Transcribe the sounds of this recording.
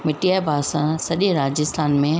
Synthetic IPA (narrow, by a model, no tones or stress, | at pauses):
mɪʈiaːbʱaːsãsɐɗə̃ɾaːd͡ʑɪst̪ʰaːnmẽ